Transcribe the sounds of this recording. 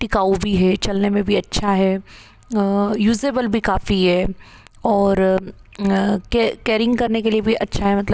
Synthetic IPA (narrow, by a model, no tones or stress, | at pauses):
ʈɪkaːubʱiɦɛːt͡ʃɐlnemẽbʱiɐtːʃʰaɦɛː | juːzeːbəlbʱikaːfiɦɛː | ɔːɾ | kekeːɾɪ̃ŋɡkɐɾnekeliebʱiʔɐtːʃʰaɦɛmɐt̪ləb